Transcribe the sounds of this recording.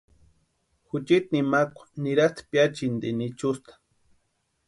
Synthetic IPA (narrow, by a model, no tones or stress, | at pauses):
xʊt͡ʃit̪̚nimakʷḁniɾast̪pjat͡ʃind̪ḭnit͡ʃust̪ḁ